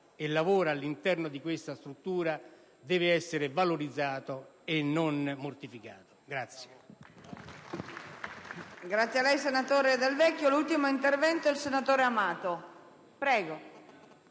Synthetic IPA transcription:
elːavoːɾaalːint̪ɛrnod̪ikwest̪ast̪ɾut̪ːuːɾa | d̪ɛːvɪɛsːeɾevaloɾid̪zːaːt̪o | enːonmort̪ifikaːt̪o̥ɡɾat̪sːje | ɡɾat̪sjalːɛjsenat̪oːɾed̪elvɛkːjolult̪imoint̪ervɛnt̪oilsenat̪oːɾeamaːt̪o | pɾɛːɡo

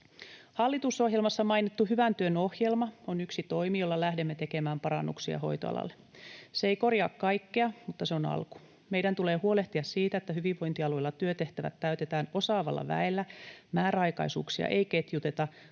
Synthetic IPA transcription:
hɑlːit̪uso̞ɦjelmɑsːɑmɑjnit̪ːuhyʋænt̪yøno̞hjelmɑonyksit̪o̞imijo̞lːɑlæhdemːet̪ekemæːmpɑɾɑ̰nːuksiɑ̰ɦo̞̰jt̪o̰ɑ̰lɑ̰lːe | seeikorjɑ̰ːkkɑjkːeɑmut̪ːɑseo̞nɑ̰lku̥ | me̞jdænt̪ule̞ːhuo̞leht̪iɑssiːt̪æet̪ːæhyʋiʋːo̞jnt̪iɑlujlːɑt̪yøt̪e̞ht̪æʋæ̰t̪tːæyt̪et̪æːno̞sɑːʋɑ̰lːɑ̰ʋæ̰elːæmæːɾæɑjkɑ̰jsṵːksiɑ̰ʔejket̪jut̪e̞t̪ɑ

